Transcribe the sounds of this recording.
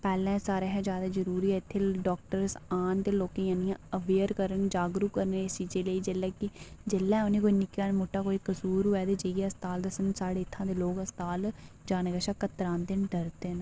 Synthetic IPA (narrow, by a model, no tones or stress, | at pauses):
pɛːlɛ̃ːsaːɾeːɦɛ̃ːd͡ʒjaːd̪aːd͡ʒəɾuːɾiːɛːɪt̪ʰːeːɖɔːk̚ʈəɾsaːnt̪eːloːkẽːãːnijãːəʋeːɾkəɾənd͡ʒaːɡɾuːkəɾneːsiːd͡ʒeːleːiːd͡ʒelːɛːkɪd͡ʒelːɛ̃ːoneːkoːiːnɪkːaːnmʊʈːaːkoːiːkəsuːɾɦoːɛːt̪eːd͡ʒeɛːəst̪aːld̪əsənsaːɽeːɪt̪ʰːãːd̪eːloːɡəst̪aːld͡ʒaːnəɡəʃaːkət̪ɾãːnd̪ɪnɖəɾt̪eːn